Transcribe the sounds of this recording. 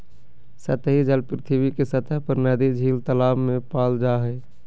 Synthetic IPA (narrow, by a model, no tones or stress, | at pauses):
sət̪ɦid͡ʒəlpɾɪt̪ʰibikesət̪əɦpəɾnɛd̪id͡ʒʱiːlt̪əlaːbmẽpaːld͡ʒaɦɛ